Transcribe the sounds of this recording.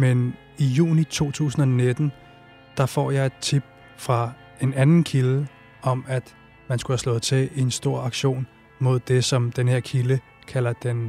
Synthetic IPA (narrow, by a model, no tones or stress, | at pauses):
men | ijṵːnit͡sʰo̝̰ːt͡sʰṵːsn̩ɒne̝d̥n̩ | d̥ɑ̈fɒ̰ːjɑ̈ɪe̝d̥̚t͡sʰib̥̚ | fʁɑ̈ | e̝nænn̩kʰilə | ɒ̽mæd̥ | mænsɡ̥ulhæslɔ̽ːð̩ˠt͡sʰe̝lensd̥o̝ɐ̰ɑ̈ɡ̥ɕo̝̰ːn | mo̝ð̞̰ˠd̥e̝sɒ̽md̥enhe̝ɐ̰kʰilə | kʰælɐd̥en